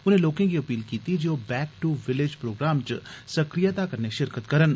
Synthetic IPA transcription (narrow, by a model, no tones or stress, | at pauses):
ʊnɦẽloːkẽkiɐpiːlkiːt̪id͡ʒoːbɛːkʈuʋɪled͡ʒpɾoːɡɾaːmt͡ʃsɐkɾijat̪akɐɾneʃɪɾkət̪kɐɾən